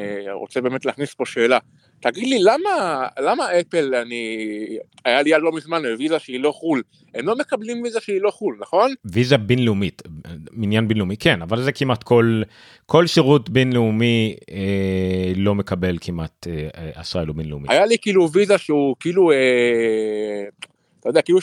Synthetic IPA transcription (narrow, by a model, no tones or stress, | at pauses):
eʁot͡sebeːmet̪leaːχnispo̞ʃe̞ːla | t̪aɡid̪lilamalamaepelani | ajalijalomizmanbevizaʃeilo̞χul | emlo̞mekablimvizaʃeilo̞χulnaχo̞nvizabinleumitminjanbinleumikenavalzekimat̪kʰol | kʰo̞lʃeʁut̪binleumie | lo̞me̞kabe̞lkʰimʔat̪eea̰sʁaelubinleumḭa̰jalikiːluvizaʃeukiilue | t̪ajod̪eakilu